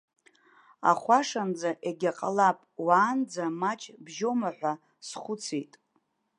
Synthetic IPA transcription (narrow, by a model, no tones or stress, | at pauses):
a̰χʷaʂand͡zaʔeɡʲaqʼalapʼwaːnd͡zamat͡ʃʼbʒo̞maħʷa | sχʷʊt͡sʰejtʼ